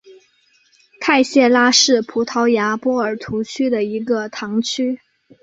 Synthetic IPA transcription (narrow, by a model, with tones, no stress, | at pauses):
kʰa˥˧ɪɕjɛ˥˩la˥ʂɻ̩˥˩pʰu˧˥t̪ʰɑ˧˥ʊja˧˥pwɔ˥ə˞˨˩t̪ʰu˧˥t͡ɕʰy˥d̪ə˨i˧˥ɡə˧t̪ʰɑ˧˥ŋt͡ɕʰy˥